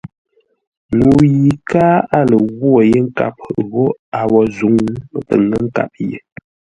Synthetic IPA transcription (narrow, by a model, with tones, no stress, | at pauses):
ŋu˨ji˨kaː˦a˦lə˨ɣwo˦˨je˦ŋ̩˦ka̰˨p̚ɣo˦a˨wɔ˨zu˨˦ŋ˦˨pə˨ŋə˦ŋ̩˦ka̰˨p̚jḛ˨